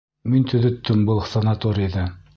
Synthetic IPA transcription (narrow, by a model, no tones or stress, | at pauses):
mint̪ʰɵ̆ðɵ̆t̪ːɵmbɤlˠsɐnat̪oɾʲiðɘ